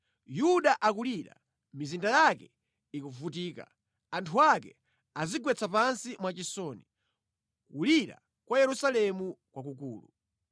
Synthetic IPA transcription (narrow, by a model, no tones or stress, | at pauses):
juɗaʔakuliɾa̰ | mizindajakɛ | ikuvutiːka̰ | antʰuakɛ̰ | aziɡwɛt͡sʰapansimwat͡ʃisɔni | kuliɾa̰ | kwajɛɾusalɛmukwak̬uk̬uːlu